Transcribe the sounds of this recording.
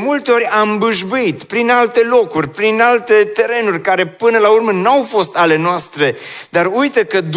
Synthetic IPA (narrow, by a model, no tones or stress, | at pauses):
mult̪eo̞ɾʲambɨʒbuit̪pɾinalt̪e̞lo̞kurʲpɾinalt̪e̞t̪eɾe̞nurʲkaɾe̞pɨnəlaurmənawfo̞st̪ale̞noast̪ɾe̞d̪arujt̪əkəd̪